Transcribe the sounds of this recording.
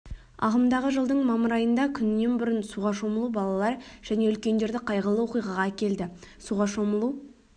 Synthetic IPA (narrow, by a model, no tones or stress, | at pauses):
ɑ̰ʁəmd̪ɑʁəʒəlˠd̪əɴmɑməɾɑjənd̪ɑkʲʰʏnːe̞nbʊɾənsuʁɑʃo̞məlˠubɑlˠɑlˠɑɾʒ̥æne̞ʏlkʲe̞nd̪e̞ɾd̪ɪqʰɑjʁəlˠəwo̞qijʁɑʁɑkʲe̞ld̪ɪsuʁɑʃo̞məlˠu